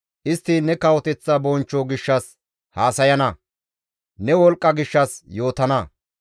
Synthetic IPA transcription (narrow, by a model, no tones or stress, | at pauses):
ʔɪst̪ːiːnɛkɐwɔt̪ɛt͡sːabɔnt͡ʃːoɡɪʃːɐs | haːsɐjɐnɐ | nɛwɔlkʼːɐɡɪʃːɐsjo̞ːt̪ɐnɐ